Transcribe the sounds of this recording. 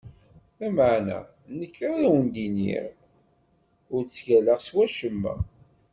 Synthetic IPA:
æməʕnæ̰ | nəkːɾaɾæwənd̪inḭʁ | ʊɾt͡sːʝæləʁswæʃəmːə̰

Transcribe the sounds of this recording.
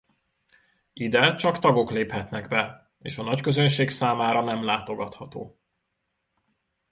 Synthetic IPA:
id̪ɛt͡ʃɒkt̪ɒɡo̞kleːphɛt̪nɛɡbɛ | ḛːʃɒnɒckø̞zø̞nʃeːksaːmaːɾɒnɛmlaːt̪o̞ɡɒt̪hɒt̪oː

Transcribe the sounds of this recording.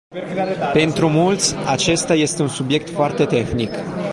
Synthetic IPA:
pe̞nt̪ɾumult̪sʲat͡ʃe̞st̪aje̞st̪e̞unsubje̞k̚t̪foart̪e̞t̪e̞xnik

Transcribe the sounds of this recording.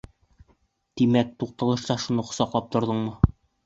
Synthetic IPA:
t̪imæk̚t̪uq̚t̪ɤ̆lˠɤ̆ʃt̪ɑʃunɤqŏsɒqlˠɑp̚t̪ŏɾd̪ɤɴmɤ

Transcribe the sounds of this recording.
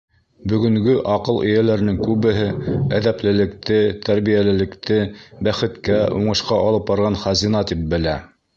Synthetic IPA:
bɵ̆ɡɵ̆ŋɡɵʔɑqɤlˠʔɘ̰̆jælæɾnɘŋkʉβɘ̆ɦɘæðæplɘ̆lɘ̆kt̪ɘt̪æɾβijælɘ̆lɘ̆kt̪ʰɘbæχɘ̆t̪kæuɴɤ̆ʃqɑʔɑlˠɤp̚bɑɾʁɑnχɑzinɑt̪ip̚bɘ̆læ

